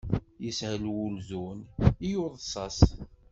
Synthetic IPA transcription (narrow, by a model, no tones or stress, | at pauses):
jəshəlwulzunijʊðˤsˤɑs